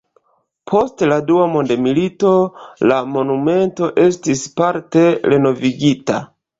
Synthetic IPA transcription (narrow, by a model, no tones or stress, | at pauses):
pʰo̞stladuamo̞ndemilito̞lamo̞nume̞nto̞ʔe̞stispaɾte̞ɾe̞no̞viɡita̰